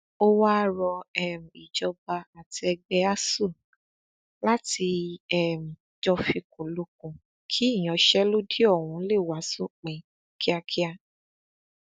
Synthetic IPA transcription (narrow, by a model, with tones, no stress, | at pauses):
o˦wa˦ɾɔ˧ɛ˦˨m̩˨i˨d͡ʒɔ˧ba˧a˨ti˧ɛ˧ɡ͡bɛ˧a˦su˦˨ | la˦ti˧ɛ˦˨m̩˨ | d͡ʒɔ˧fi˧kũ˨lo˧k̚ũ˨ | kʰi˦i˦˨j̃ɔ̃˨˦ʃɛ˦lo˦di˦ɔ˦˨wũ˨˧˦le˦˨wa˨˦so˦˨k͡pɛ̃˨ | kʰi˦a˧kʰi˦a˧